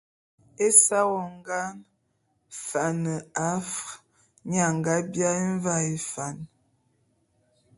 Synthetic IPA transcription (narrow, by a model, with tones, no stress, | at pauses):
e˦sa˦wɔ˨ŋ˦ɡa˦n | fa˨nə˨a˦f | ɲa˨ŋ˨ɡa˦bja˦e˦ɱ˦va˦i˨fa˨n